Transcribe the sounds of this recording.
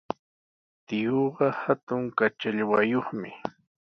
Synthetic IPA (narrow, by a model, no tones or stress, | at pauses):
t̪ɪjoɢɑhat̪ʊŋkat͡ʃaʎwajoχmɪ